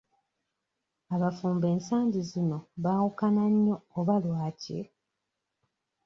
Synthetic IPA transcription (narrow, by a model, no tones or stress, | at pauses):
aβafuːmbe̞ːnsaːɲɟizino̞βaːwukanaɲːo̞ːβalwaːcḛ